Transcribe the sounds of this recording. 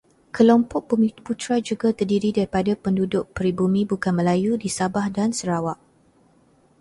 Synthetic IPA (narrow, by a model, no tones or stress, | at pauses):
kəlɔmpɔk̚umiput̪ɾad͡ʒuɡat̪ərdiɾidaɾipadapəndudʊʔ̚pəɾibumĩbukanməlajudisabahdansəɾawaʔ